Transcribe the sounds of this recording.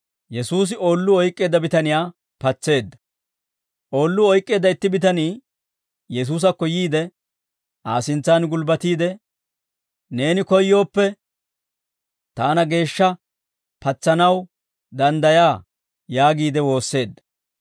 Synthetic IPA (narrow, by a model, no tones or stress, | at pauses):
jɛsuːs̬ɪo̞ːlːʊɔjkʼːe̞ːd̪ːɐbɪt̪ɐnɪjaː | pɐt͡sːe̞ːd̪ːɐ̥ | ʔo̞ːlːʊɔjkʼːe̞ːd̪ːɐɪt̪ːɪbɪt̪ɐniː | jɛs̬uːs̬ɐkːɔjiːd̪ɛ | ʔa̰ːsɪnt͡sːaːnɡʊlbɐt̪iːd̪ɛ | ne̞ːnɪkɔjːo̞ːpːɛ | t̪aːnɐɡe̞ːʃːɐ | pɐt͡sːɐnɐw | d̪ɐnd̪ɐjaː | jaːɡiːd̪ɛwo̞ːsːe̞ːd̪ːɐ̥